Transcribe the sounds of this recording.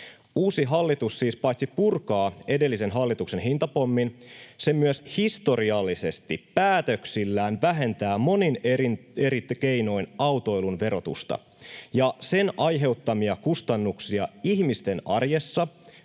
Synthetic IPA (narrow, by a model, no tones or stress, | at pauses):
uːsiɦɑlːit̪usːiːspɑjt̪sipurkɑːe̞de̞lːise̞nɦɑlːit̪ukse̞nɦint̪ɑpo̞mːinse̞myøshist̪o̞ɾiɑlːise̞st̪ippæːt̪øksilːæːnʋæɦe̞nt̪æːmo̞nineɾit̪ke̞jno̞jnɑwt̪o̞jlunʋe̞ɾo̞t̪ṵst̪ɑ̰ | jɑse̞nʔɑjɦe̞ut̪ːɑmiɑkust̪ɑnːuksiɑihmist̪e̞nʔɑ̰rje̞sːɑ